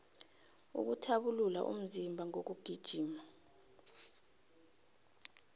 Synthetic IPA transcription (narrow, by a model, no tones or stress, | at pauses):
ṵk̬utʰaɓulula̰ʔṵm̩zimbʱaŋok̬uɡ̥ʱid̥ʒ̥ʱiːma